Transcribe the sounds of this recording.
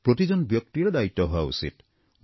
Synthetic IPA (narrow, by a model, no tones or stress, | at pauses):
pɾot̪id͡ʒɔnbjɔk̚t̪iɾed̪ait̪ːɔɦoaṵsḭt̪